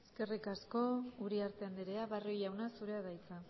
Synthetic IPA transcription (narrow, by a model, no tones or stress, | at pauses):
eske̞rikasko̞uɾiaɾt̪e̞and̪iɾeaβarojawnasuɾe̞aðajt͡sa